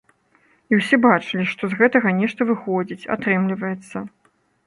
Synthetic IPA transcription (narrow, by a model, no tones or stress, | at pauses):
iwsʲɛbat͡ʂɨlʲiʂt̪ɔzɣɛt̪ɐɣɐnʲɛʂt̪ɐvɨxɔd͡zʲit͡sʲa̰t̪ɾɛmlʲivɐjɛt̪sːɐ